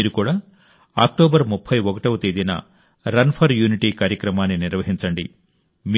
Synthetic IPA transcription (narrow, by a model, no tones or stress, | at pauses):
iːɾukuːɽaː | a̰ːk̚ʈoːbɐɾmupʰːɐjʋɔkɐʈɐʋɐt̪eːd̪inɐ̰ | ɾɐnpʰɐɾjuːniʈiːkaːɾjɐkɾɐmaːnːiniɾʋɐɦiɲt͡ʃɐɳɖi | m